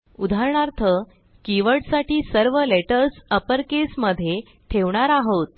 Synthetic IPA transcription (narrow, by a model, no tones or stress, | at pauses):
ud̪ʱaɾɳaɾt̪ʰə | kiʋəɽsaʈiːsəɾʋəleʈəɾsəpəɾkesməd̪ʱːje | ʈʰeʋɳaɾaɦot̪̚